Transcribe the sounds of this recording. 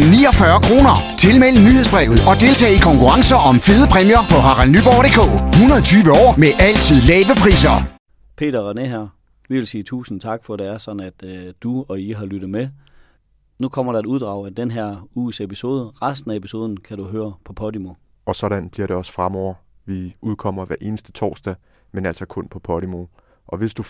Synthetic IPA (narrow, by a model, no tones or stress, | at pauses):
niːɒ̽fɶɐkʰʁo̝ːnɐt͡sʰe̝lmel̰ənyheðˠsb̥ʁɛ̰ːʊð̩ˠɒ̽d̥e̝lt͡sʰɛ̰ːikʰɒ̽ŋkʰuʁɑ̈ŋsɐʔɒ̽mfeːðˠəpʰʁɛmjɐpʰɒ̽ɦɑ̈ʁɑlnyb̥ɒ̰d̥e̝̰ːkʰo̰̽ːhunɐð̩ˠɒ̽t͡sʰyːʋəɒ̰ːmeʔæl̰t͡sʰið̞̰ˠlɛːʋəpʰʁḭːsɐ | pʰe̝̰ːɾɐʁɑneɦæɐ̰ | ʋiʋe̝lsiːt͡sʰṵːsn̩t͡sʰɑ̈ɡ̥fɒ̽ɾ̥e̝æɐsɒ̽d̥n̩æd̥d̥uɒ̽iɦɑ̈lyɾ̥ð̩ˠme | nukʰɒ̽m̰ɐɾɑ̈e̥uð̞ˠd̥ʁɑ̈ʊæd̥enɦæɐ̰ṵːsepiso̝ːð̞ˠəʁasd̥n̩æepʰi̥so̝ːðˠn̩kʰæɾ̥uɦøːɐpʰɒ̽pʰɒ̽ɾimo̝ | ɒ̽sɒ̽ɾ̥ænb̥liɐɾe̝ɒ̽sfʁamɒʊ̰ɐʋiʔuð̞ˠkʰɒ̽m̰ɐʋæɐʔe̝ːnəsd̥ə̥t͡sʰɒ̰ːsd̥ɛ | menæl̰sɒ̽kʰɔ̽npʰɒ̽pʰɒɾ̥imo̝ | ʔɒ̽ʋe̝sd̥u